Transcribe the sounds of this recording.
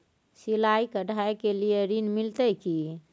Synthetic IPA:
silaikəɖʱaekelijeɾinmilt̪əjki

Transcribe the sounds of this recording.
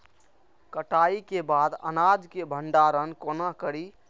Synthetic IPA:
kəʈaikebad̪ə̰nad͡ʒkebʱəɳɖaɾənkonakəɾi

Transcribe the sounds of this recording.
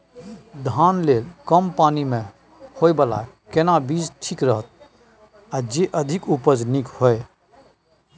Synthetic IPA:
d̪ʱaːnleːlkəmpaːnimẽ | hoebəla̰ | kenabiːd͡ʒʈʰikɾəɦət̪̚ | ad͡ʒeʔəd̪ʱɪkupəd͡ʒnikhoe

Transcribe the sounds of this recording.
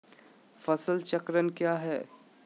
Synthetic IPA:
fɐsəlt͡ʃɐkɾənkjaːɦɛː

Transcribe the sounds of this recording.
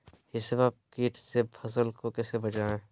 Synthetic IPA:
ɪsebaːb̚kiːʈsepʰɐsəlkokɛːsebɐd͡ʒaːẽ

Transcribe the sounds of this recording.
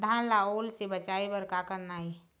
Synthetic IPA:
d̪ʱanlaoːlsebət͡ʃaebəɾkakəɾnaːi

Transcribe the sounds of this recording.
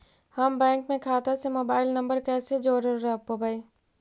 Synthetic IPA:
həmbɛ̃ːŋkmẽkʰaːt̪asemoːbaːɪlnəmbəɾkɛːsed͡ʒoːɾəːəɦpobəj

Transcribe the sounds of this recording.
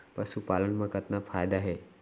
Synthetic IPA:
pəɾsupalənməkət̪nafajd̪aɦe

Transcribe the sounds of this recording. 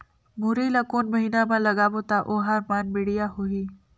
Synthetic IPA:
muːɾilakuːnmɐɦiːnamãlɐɡaboːt̪aʔoːɦaːɾmaːnbɪɽijaɦʊiː

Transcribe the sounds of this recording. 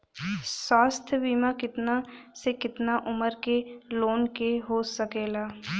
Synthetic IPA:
swaːst̪ʰjəbiːmakɪt̪nasekɪt̪naʔʊməɾkeloːnkeɦosəkeːlaː

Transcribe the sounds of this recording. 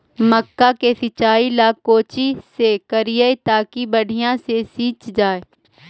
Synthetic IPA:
məkːakesɪt͡ʃaːilaːkːoːt͡ʃisekəɾijəet̪aːkibəɽ̤ʱɪjãsesiːt͡ʃd͡ʒaːe

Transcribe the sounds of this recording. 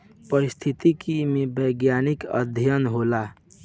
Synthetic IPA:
pəɾist̪ʰit̪ikimebəjɡjanikə̰d̪ʱjənɦola

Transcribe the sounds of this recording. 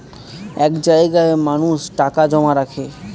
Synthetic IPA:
ekd͡ʒajɡaemañũsʈakad͡ʒɔmaɾakʰe

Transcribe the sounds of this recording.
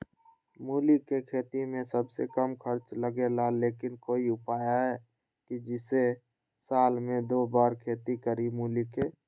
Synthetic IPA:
muːlikekʰeːt̪imẽsəbsekəmkʰəɾt͡ʃləɡelaleːkɪnkoːiʊpaːjaɦɛː | kid͡ʒɪse | saːlmẽd̪oːbaːɾkʰeːt̪ikəɾimuːlike

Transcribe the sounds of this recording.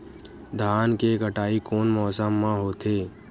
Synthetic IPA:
d̪ʱaːnkeɡʱəʈaːikoːnmɔːsəmːãɦoːt̪ʰeː

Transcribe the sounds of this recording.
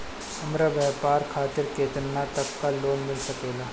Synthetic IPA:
hɐmɾabɛɦpaːɾkʰaːt̪ɪɾkeːt̪ənnat̪ɐkːaloːnmɪlsɐkeːlaː

